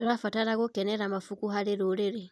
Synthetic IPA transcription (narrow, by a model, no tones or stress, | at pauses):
oɾafataɾaɣokɛnɛɾamafukuɦaɾeɾoɾeɾe